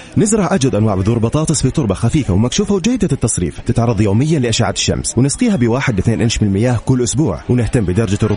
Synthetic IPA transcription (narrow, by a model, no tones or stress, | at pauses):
nɪzɾˤɑʕʔad͡ʒwad̪ʔanwaːʕbɪðuːɾbɑt̪ˤɑːt̪ˤɨsˤfit̪ˤʊɾˤbɑxafiːfawmakʃuːfawd͡ʒajːɪd̪at̪ːɑsˤɾḭːft̪ɪt̪ʕɑrˤːɑðˤjoːmɪjːanlɪʔaʃaːʕad̪ɪ̥ʃːa̰mswɪnɪsqiːhabɪwaːħɪd̪wɪθneːnʔɪnʃmɪnlmɪjaːhkʊlːʔʊsbuːʕwɪnɪht̪amːbɪd̪ɑɾˤɑd͡ʒarˤʊ